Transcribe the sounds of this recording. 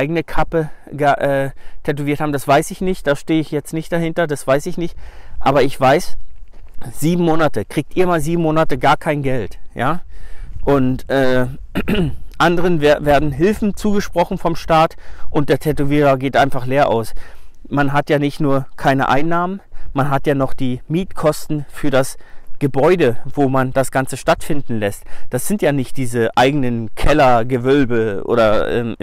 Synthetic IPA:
ʔaɪɡənəkʰapəɡəʔɛːtʰɛt̬oviːɐthaːbm̩d̥asv̥aɪsɪçnɪçt̚d̥aːʃteːəɪçjɛt͡stnɪçt̚d̥aɦɪntɐdasv̥aɪsɪçnɪçtʔa̰ːbɐɪçv̥aɪs | z̥iːbm̩moːnatəkʁ̥iːk̚tiːɐmaːlziːbm̩moːnatəɡaːɐkʰaɪnɡɛltjaːʔʊntʔɛː | ʔandəʁənveɐveːɐdn̩ɦɪlfn̩t͡suːɡəʃpʁ̥ɔχn̩fɔmʃtaːtʔʊnt̚d̥eːɐtʰɛtoviːʁɐɡeːtʔaɪnfaχleːɐʔa̰ʊs | manɦatjaːnɪçtnuːɐkʰaɪnə̰ʔa̰ɪnːaːmənmanɦatjaːnɔχd̥iːmiːtkʰɔstn̩fyːɐdasɡ̥əbɔʏdəv̥oːmand̥asɡ̥ant͡səʃtatfɪndn̩lɛstd̥asz̥ɪntjaːnɪçt̚d̥iːzəʔaɪɡənənkʰɛlɐɡəvœlbəʔo̰ːɾɐʔɛ̰ːm

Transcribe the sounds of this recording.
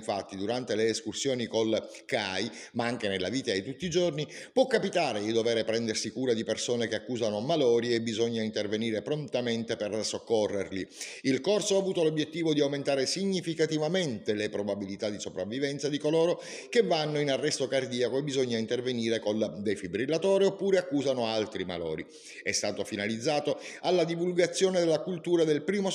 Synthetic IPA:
ɱfat̪ːid̪uɾant̪eleːskursjoːnikol | kaj | maaŋk̟enelːaviːt̪ajt̪ut̪ːid͡ʒornipwɔkːapit̪aːɾed̪id̪ovɛːɾepɾɛnd̪ersikuːɾad̪ipersoːnekeakːuːzanomalɔːɾiːbːizoɲːaint̪erveniːɾepɾont̪ament̪epersokːorːerliilkorsoaːvuːt̪olobjet̪ːiːvod̪iawment̪aːɾesiɲːifikat̪ivament̪elepɾobabilit̪ad̪isopɾavːivɛnt̪sad̪ikoloːɾo | kevːanːoinarːɛst̪okard̪iːakoebːizoɲːaint̪erveniːɾekold̪ejfibɾilːat̪ɔːɾiopːuːɾeakːuːzanoalt̪ɾima̰lɔ̰ːɾi | ɛ̰st̪aːt̪ofinalid̪zːaːt̪oalːad̪ivulɡat̪sːjoːned̪elːakult̪uːɾad̪elpɾiːmo

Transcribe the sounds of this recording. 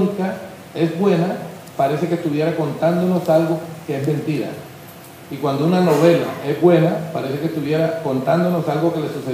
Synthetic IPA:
nika | e̞zbwe̞na | paɾe̞se̞kest̪uβje̞ɾako̞nt̪and̪o̞no̞salɡo̞keezmẽ̞nt̪iɾa̰ | ikwand̪ounano̞βe̞la̰ʔe̞zbwe̞napaɾe̞se̞kest̪uβje̞ɾako̞nt̪and̪o̞no̞salɡo̞ke̞le̞suse

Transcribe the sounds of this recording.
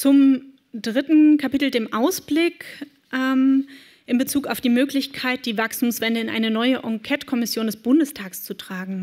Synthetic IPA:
t͡sʊm | dʁɪtn̩kʰapiːtl̩deːmʔaʊsb̥lɪk | ʔɛm | ʔɪnbət͡suːkaʊfd̥iːmøːklɪçkʰaɪt̚d̥iːvakstʰuːmsv̥ɛndəɪnʔa̰ɪnənɔʏəʔɔŋkʰɛtkʰɔmɪsjoːndɛsb̥ʊndəstʰaːkst͡sutʁ̥aːɡŋ̩

